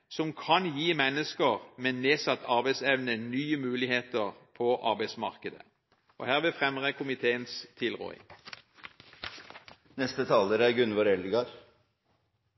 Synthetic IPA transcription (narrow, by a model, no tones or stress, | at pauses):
sɔmkʰɑnjiːmɛnːəskəʁmɛneːsɑt̪ʰːɑʁbæɪsɛʋnənyːəmʉːlɪheːt̪əʁpʰɔʔɑʁbæɪsmɑ̰ʁkəd̪ə̰ | ʔɔhæːʁʋɪlfʁɛmʁəkʰʊmɪt̪ʰeːənst̪ʰɪlʁɔ̰ːɪ̰ŋ | nɛst̪ət̪ʰɑːləɾæɾɡʉnʋɑːɾɛlɡɑɾ